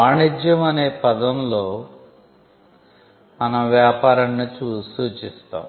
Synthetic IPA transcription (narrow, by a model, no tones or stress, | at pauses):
aːɳid͡ʒjɐmɐne̞ːpɐd̪ɐmlo̞ː | mɐnɐmʋjaːpaːɾɐɳːit͡ʃuːsuːt͡ʃist̪a̰ːm